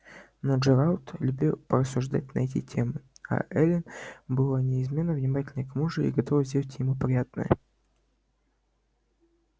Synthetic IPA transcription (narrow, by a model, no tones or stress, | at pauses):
nod͡ʒɨɾalt̪lʲʊbʲilˠpəɾəsːʊʐd̪a̰t̚ʲnɐ̰ɛt̬ʲɪ̰tʲemɨa̰ʔɛlʲɪnbɨlˠanʲɪɪzmʲe̞nːəvnʲɪmatʲɪlʲnəjkmuʐɨḭɡɐt̪ovəzʲdʲelˠtʲjɪmupɾʲɪjat̪̚nə̰jə